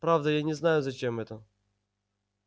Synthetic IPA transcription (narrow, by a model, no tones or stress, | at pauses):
pɾavd̪ɐjanʲɛznajʊzɐt͡ɕɛmɛt̪ə